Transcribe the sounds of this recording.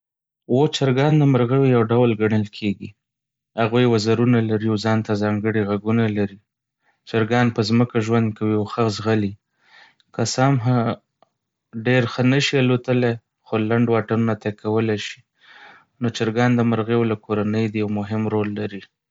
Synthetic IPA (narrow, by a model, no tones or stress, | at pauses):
wot͡ʃaɾɡɑnd̪əmaɾɣewejawɖawlɡaɳəlkʰeɡi | haɣujwazaɾunalaɾiawzɑnt̪azɑŋɡəɽiɣaɡunalaɾi | t͡ʃaɾɡɑnpəzməkaʒwand̪̚kawiawxazɣali | kasamɦa | ɖeɾxənəʃialot̪əle | xolaɳɖwɑʈanunat̪akawəlajʃi̥ | not͡ʃaɾɡɑnd̪əmaɾɣewolakʰoɾanəjd̪əjawmʊɦɪmɾolːaɾi